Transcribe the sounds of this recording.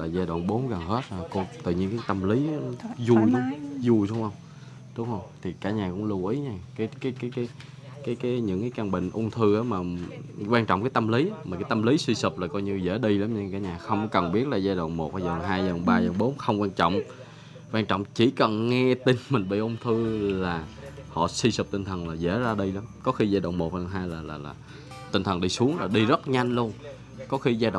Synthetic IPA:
laː˨˩zaː˧jɗwa̰˧˨nɓo˨˦nɣə˨˩nhe˦˥t̚a˨˩ko˧t̪ɨ̰˧˨ɲi˧ənkaː˨˦jt̪ə˧mli˨˦˨n˨˦zu˨˩jzu˨˩jso˧˦wŋ͡mhə˧wŋ͡m | ɗʊ˨˦˥ŋ͡m̚hə˧wŋ͡mt̪ʰi˨˩kaː˧˩˥ɲaː˨˩kʊ̰˧˥ŋ͡mlu˧wʔi˨˦ɲa˧˩kaː˨˦jkaː˨˦jkːjkaː˨˦j | kaː˨˦jkaː˨˦jɲɨ̰˧˥ŋkaː˨˦jkaː˧ŋɓḭ̈˧˨ŋ̟ʔʊ˧ŋ͡mt̪ʰɨ˧ʔaː˨˦maː˨˩kwaː˧nt͡ɕɔ̰˧˨ŋ͡mkaː˨˦jt̪ə˧mli˨˦˨ma˨˩kaː˨˦jt̪ə˧mli˨˦swi˧sə˨˩p̚laː˨˩kɔ˧jɲɨ˧zḛ˧˥ɗi˧laː˨˦mɲa˧ŋkaː˨˦ɲaː˨˩xə˧wŋ͡mkə˨˩nɓi˦˥ət̚laː˨˩zaː˧jɗo̰˧˨wŋ͡mmo˨˩t̚aː˧˩a˨˩˨ɦaː˧ja˧˩˨ɓaː˧za˨˩ŋ͡mɓo˨˦nxə˧wŋ͡mkwaː˧nt͡ɕɔ̰˧˨wŋ͡m | kwaː˧ŋt͡ɕɔ̰˧˨wŋ͡mt͡ɕi˧˩kə˨˩nŋɛ˧t̪i˧nmï˨˩ŋ̟ɓḭ˧˨ʔʊ˧ŋ͡mt̪ʰɨ˧laː˨˩ | hɔ̰˧˨si˧sə˨˩p̚t̪ï˧ŋ̟t̪ʰə˨˩nlaː˨˩zḛ˧˥zaː˧ɗi˧laː˨˦mkɔ˨˦xi˧zaː˧ɗo̰˧˨wŋ͡mmo˨˩t̚haː˧jɦaː˧jlaː˨˩laː˨˩laː˨˩ | t̪ï˧ŋ̟t̪ʰə˨˩nɗi˧su˨˦əŋlaː˨˩ɗi˧zə˦˥t̚ɲa˧jŋlu˧ən | kɔ˨˦xi˧zaː˧ɗo̰˧˨

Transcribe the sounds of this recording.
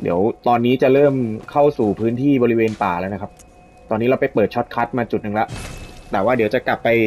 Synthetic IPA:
dḭ˩˦wt̪ɔː˧nːiː˦˥t͡ɕa˨˩ɾɤː˥˩mkʰa˥˩wsuː˨˩pʰɯː˦˥nt̪ʰiː˥˩bɔː˧ɾi˦˥weː˧npaː˨˩lɛː˦˥na˦˥kʰa˦˥p̚ | t̪ɔː˧nːiː˦˥ɾa˧wpa˧jpɤː˨˩t̪̚t͡ɕʰɔ˦˥t̪̚kʰa˦˥t̪̚maː˧t͡ɕu˨˩t̪̚nɯ˨˩ŋlɛ˦˥ʔt̪ɛː˨˩waː˥˩di˩˦wt͡ɕa˨˩ka˨˩pːa˧j

